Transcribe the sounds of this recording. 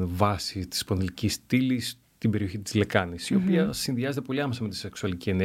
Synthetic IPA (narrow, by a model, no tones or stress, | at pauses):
vɐsit̪i̥sponðelicist̪ilis | t̪imbe̞ɾio̞çit̪i̥zle̞kɐnisio̞piɐsinðiɐzet̪epo̞liɐmesɐme̞t̪i̥se̞ksuɐlicie̞ne